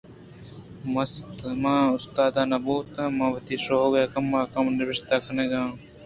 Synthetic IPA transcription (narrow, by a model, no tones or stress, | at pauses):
mɐst̪mãːʊst̪aːd̪aːnɐbuːt̪ɐ̃mãːwɐt̪iːʂoɦoɡɐaːkɐmːaːkɐmnɪbiʂt̪aːkʰɐneɡãː